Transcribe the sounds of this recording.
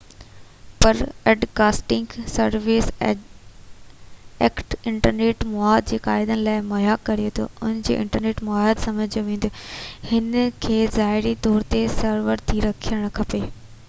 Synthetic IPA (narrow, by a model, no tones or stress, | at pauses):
pɐɾeːɖkaːsʈɪ̃ŋɡsɐɾʋɪːs | eːkʈɪ̃ɳʈəɾneːʈmʊaːd̪̚d͡ʑeːkaːɪd̪ənɪ̆laːɪmɐɦjaːkːɐɾijot̪ʰo̰ʊnəd͡ʑḛːʔɪ̰̃ɳʈəɾneːʈmʊaəd̪sɐməd͡ʑd͡ʑoʋẽːnd̪ihɪnkʰeːzaːɦɪɾit̪ɔːɾt̪esɐɾʋəɾt̪ʰiɾɐkʰijəɽ̃kʰɐpeː